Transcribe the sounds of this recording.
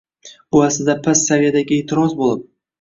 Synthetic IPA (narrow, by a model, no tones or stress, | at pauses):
bʊaslɪd̪apʰasːavijad̪aɡʲɪet̪ʰɪɾɒzbolˠɪp̚